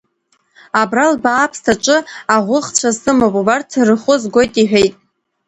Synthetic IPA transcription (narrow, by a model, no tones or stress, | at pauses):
abralbaːpʰstʰat͡ʃʼɨaʁʷʊχt͡ɕʷʰasɨmopʼubartʰrɨχʷʊzɡʷo̞jtʼiħᶣe̞jtʼ